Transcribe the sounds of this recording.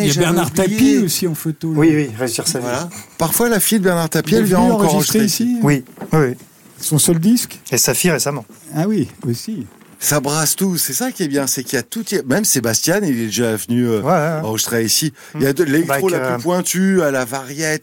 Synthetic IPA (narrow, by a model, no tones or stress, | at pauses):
aʒbɛʁnaʁt̪apiosiɑ̃fot̪owiwiʁeʒiʁsavwalapaʁfwalafijd̪əbɛʁnaʁt̪apjiɛlvjɛ̃ɑ̃ʁkɔʁʒəʒst̪eesiwiwiwi | ɛsɔ̃sɔld̪iskesafiʁesamɑ̃awiosi | sabʁast̪usɛsakʲiɛbjɛ̃sɛkiljat̪ut̪jamɛmsebast̪janilɛd̪eʒavənyøvwaɑ̃ʁəʒist̪χeisi | jad̪leɛk̪olaplypwɛ̃t̪yalavaʁjɛt̪